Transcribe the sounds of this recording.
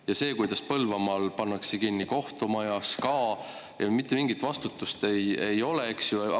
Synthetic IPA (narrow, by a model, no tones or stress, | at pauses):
jɑse̞ːkujd̪ɑspɤlvɑmɑːlpɑnːɑksekinːiko̞ht̪omɑjɑskɑː | jɑ̰mit̪ˑːemiŋɡit̪ˑvɑst̪ut̪ːˑust̪e̞je̞jo̞le̞eksju